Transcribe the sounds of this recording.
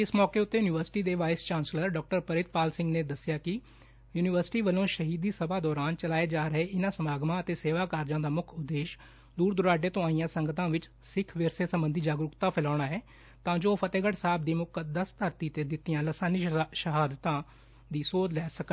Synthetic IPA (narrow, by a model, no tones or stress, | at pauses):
ɪsmɔːkeːʊt̪ːeːjuːnɪːʋəɾsɪ̥ʈiːd̪eːʋaːɪst͡ʃaːnsləɾɖɔːk̚ʈəɾpəɾɪt̪̚paːlsɪ̃ŋɡneːd̪əsɪjaːkɪ | juːnɪʋəɾsɪ̥ʈiːʋəlõːʃəɦiːd̪iːsəbaːd̪ɔːɾaːnt͡ʃəlaːeːd͡ʒaːɾəɦeːʔɪnãːsəmaːɡmãːət̪eːseːʋaːkaːɾd͡ʒãːd̪aːmʊkʰʊd̪ːeːʃ | d̪uːɾd̪ʊɾaːɖeːt̪õːaːijãːsəŋɡət̪ãːʋɪt͡ʃ | sɪkʰʋɪɾseːsəmbənd̪ʱiːd͡ʒaːɡɾʊkt̪ãːpʰɪlaːɽaːɛː | t̪ãːd͡ʒoːpʰət̪eːɡəɽsaːb̚d̪iːmʊkəd̪əst̪əɾt̪iːt̪eːd̪ɪt̪ːijãːləsaːniʃəɦaːd̪t̪ãː | d̪iːsoːd̪lɛːsəkə